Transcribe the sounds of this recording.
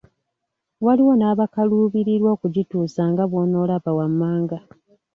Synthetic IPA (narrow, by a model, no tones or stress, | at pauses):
waliwo̞naːβakaluːβiɾiɾwoːkuɟituːsaŋɡaβwo̞ːno̞ːlaβawamːaːŋɡa